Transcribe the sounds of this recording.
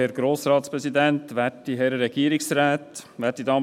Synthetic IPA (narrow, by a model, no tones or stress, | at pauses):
ɛɾɡ̥ɾoːsɾɑːt̪spɾɛsid̪ænt̪ʋætːiɦɛɾɾɛɡ̥iːɾɪksɾæːt̪ʋæːt̚did̪ɑːm